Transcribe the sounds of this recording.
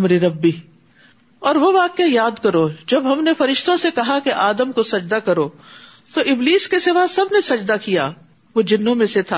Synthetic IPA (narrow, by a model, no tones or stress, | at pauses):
ɐmɾeɾɐbːi | ɔːɾʋoʋaːkːejaːd̪kɐɾod͡ʒɐbɦɐmnefɐɾɪʃt̪õsekɐɦakeʔaːd̪əmkosɐd͡ʒd̪akɐɾoː | t̪oʔɪbliːskesɪʋasɐbnesɐd͡ʒd̪akija̰ː | ʋod͡ʒɪnːõmẽset̪ʰaː